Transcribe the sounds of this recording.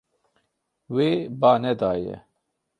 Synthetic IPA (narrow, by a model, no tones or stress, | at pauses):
weːbaːned̪aːjḛ